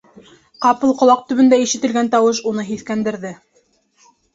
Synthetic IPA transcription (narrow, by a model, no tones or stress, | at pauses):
qɑpɤlˠqŏlˠɑq̚t̪ɵ̆βɵ̆nd̪æiʃɘ̆t̪ɘ̆lɡænt̪ɑwɤʃ̬unɤɦiθkænd̪ɘ̆ɾðɘ